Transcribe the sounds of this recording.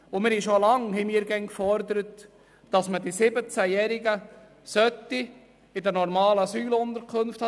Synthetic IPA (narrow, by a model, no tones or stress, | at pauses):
ʊmɪɾhiʃolɑŋhɛmiəɾɡɛŋkfɔɾdəɾət | d̥ɑsmədisɪbət͡sæjɛɾɪɡə | sœtːi | ɪdɛnɔɾmɑːləɑsyːlʊnd̪əɾkʰɵnft̪ɑ